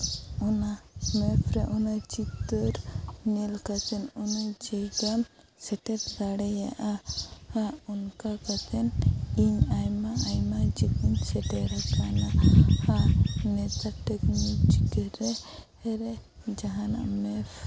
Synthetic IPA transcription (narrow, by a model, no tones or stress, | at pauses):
unamɛpʰɾɛʔunat͡ʃit̪əɾnilkat̪ʰɛnunad͡ʒajɡam | sɛʈɛpd̪aɽɛjaʔahaunkakat̪ʰɛniɲajmaajmad͡ʒik̪iɲsɛʈɛɾat͡ʃanahanɛt̪aʈɛknit͡ʃik̪ɾɛ | ɾɛd͡ʒaɦana̰mɛpʰ